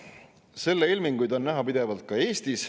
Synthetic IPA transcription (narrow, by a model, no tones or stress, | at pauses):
se̞lːeilmiŋɡujd̪o̞nːæɦɑpid̪̥e̞vɑlt̪̚kɑe̞ːst̪is